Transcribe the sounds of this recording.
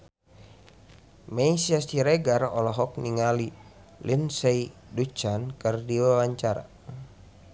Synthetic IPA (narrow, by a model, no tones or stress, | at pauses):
maisiast̪iɾeɡarɔ̰lɔɦɔk̚niŋali | lʔinsɛidut͡ʃankərdiwawaɲt͡ʃaɾa̰